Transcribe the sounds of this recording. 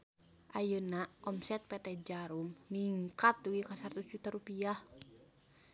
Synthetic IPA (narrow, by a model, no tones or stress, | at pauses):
ʔajənaʔɔmsɛt̪̚pɛt̪ɛd͡ʒaɾumniŋkat̪̚duɡikasart̪usd͡ʒut̪aɾupiah